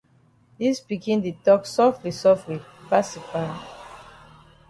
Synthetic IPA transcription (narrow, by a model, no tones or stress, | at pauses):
dispikĩnditɔksɔftɹisɔfwipasifal